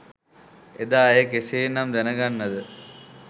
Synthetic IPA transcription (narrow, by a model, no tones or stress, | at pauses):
ed̪aːjekesejnːamd̪ænəɡanːɐd̪ə